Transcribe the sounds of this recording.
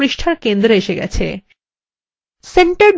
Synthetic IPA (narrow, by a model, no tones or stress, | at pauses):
ɾiʃʈʰaɾkend̪ɾeeʃeɡɛ̰t͡ɕʰḛ | seɳʈaɾɖ